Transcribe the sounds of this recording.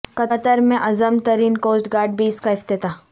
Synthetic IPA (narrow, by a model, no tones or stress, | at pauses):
kɐɐt̪əɾmẽʔɐzəmt̪ɐɾiːnkoːsʈɡaːɾɖ̚bʱiːskaɪft̪ɪt̪aː